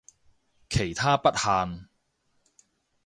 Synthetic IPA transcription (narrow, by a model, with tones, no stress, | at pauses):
kʰe˨˩jt̪ʰaː˥pɐ˥t̚haː˧n